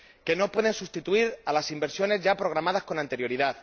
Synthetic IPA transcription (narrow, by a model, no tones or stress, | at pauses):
ke̞no̞pwe̞ðe̞nsust̪it̪uiɾalasimbe̞ɾsjo̞ne̞zʝapɾo̞ɣ̞ɾamað̞asko̞nant̪eɾjo̞ɾiðað